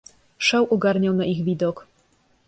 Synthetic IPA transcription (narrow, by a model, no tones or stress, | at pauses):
ʂawʔɔɡaɾɲawnaʔiɣvʲid̪ɔk